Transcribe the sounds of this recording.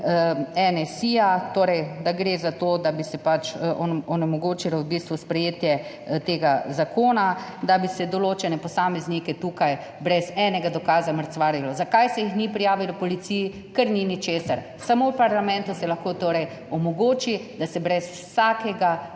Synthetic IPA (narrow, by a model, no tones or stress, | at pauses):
ɛnɛsijat̪oːɾɛjd̪aɡɾezat̪oːd̪abisɛpat͡ʃʔɔnɔnɛmɔɡoːt͡ʃilawbiːst̪ʋuspɾɛjeːt̪jɛ | t̪eːɡazakoːnad̪abisɛd̪ɔloːt͡ʃɛnɛpɔsaːmɛznikɛt̪uːkaj | bɾɛzɛnɛɡad̪ɔkaːzaməɾt̪sʋaːɾilɔzakajsɛjixnipɾijaːʋilɔpɔlit̪siji | kəɾninit͡ʃeːsaɾ | samowpaɾlamɛ̃nt̪usɛlaxkoːt̪oːɾɛj | ɔmɔɡoːt͡ʃid̪asɛbɾɛs | saːkɛɡa